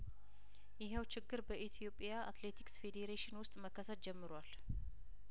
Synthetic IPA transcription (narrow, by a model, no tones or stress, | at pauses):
jɪɦawt͡ʃɪɡːɨɾbəʔit̪ʰijo̞pʼijaa̰t̪le̞t̪ʰi̥ksfe̞d̪eɾeʃɪnwʊst̪ʼməkʰːəsət̪̚d͡ʒɛmːɨɾwal